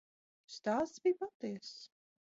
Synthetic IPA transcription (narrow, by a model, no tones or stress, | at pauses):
st̪aːszbijpat̪iɛs